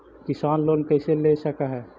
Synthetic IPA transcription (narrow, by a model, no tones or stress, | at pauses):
kɪsaːnloːnkɛɪselesəkaɦɛː